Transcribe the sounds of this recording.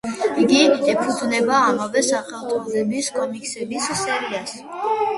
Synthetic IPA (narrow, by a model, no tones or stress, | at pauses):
iɡid̪ɛpʰud̪nɛbaːmavɛsaχɛlˠt̪ʼɔzɛbiskʰʼɔmikʼsɛbisːɛɾias